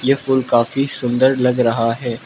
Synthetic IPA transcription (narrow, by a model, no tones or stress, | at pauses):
jefʊlkaːfisʊ̃nd̪əɾlɐɡɾɐɦaɦɛː